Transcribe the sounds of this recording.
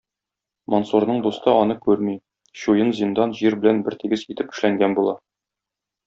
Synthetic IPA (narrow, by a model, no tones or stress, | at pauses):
monsuɾnɤɴd̪ust̪ɤɒnɤkʉɾmi | ɕujɤnzind̪ɑnʑiɾbɘ̆lænbɘɾt̪iɡɘzit̪ɘp̚ɵ̆ʃlæŋɡænbulˠɑ